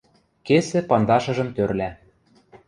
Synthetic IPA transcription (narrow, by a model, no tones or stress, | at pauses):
kesɘ̆pɑnd̪ɑʃɤ̆ʒɤ̆mt̪øɾlæ